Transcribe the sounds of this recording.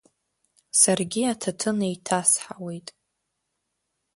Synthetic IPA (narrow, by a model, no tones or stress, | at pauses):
sarɡʲiatʰatʰɨnajtʰasħawe̞jtʼ